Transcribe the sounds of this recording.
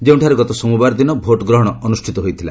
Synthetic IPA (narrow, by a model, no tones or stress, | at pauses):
d͡ʒeũʈʰaɾeɡɔt̪ɔsɔmubaɾd̪inɔbʱoʈɡɾɔɦɔɽ̃ɔɔnusʈʰit̪ɔɦojt̪ʰila